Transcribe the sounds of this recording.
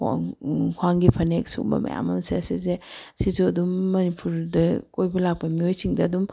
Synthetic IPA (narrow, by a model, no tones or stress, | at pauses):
kʰwaŋɡipʰɐnek̚sṵŋ̚bɐ̰mɐ̰ja̰mɐmsesizesizuɐdumːɐnipʰuɾdɐkojbɐlak̚pɐmiojsiŋdɐːdum